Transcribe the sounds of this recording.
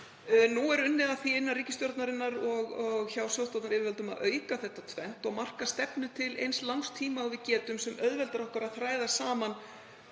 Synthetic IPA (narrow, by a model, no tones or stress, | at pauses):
nuɛɾʏnːɪðaθiɪnːariːcɪst̪jɔɾt̪naɾɪnːaɾɔɣɔɣçawsjowst̪ɔwt̪naɾɪːvɪɾvɛlt̪ʏma̰ðʔœːɥkaθɛht̪ːat̪ʰvɛn̥t̪ɔɣmar̥kast̪ɛpnʏt̪ʰɪlḛjnslawŋst̪ʰiːmaawvɪðcɛːt̪ʏmsɛmœðvɛlt̪aɾɔhkaɾaðθɾaːjðasaːman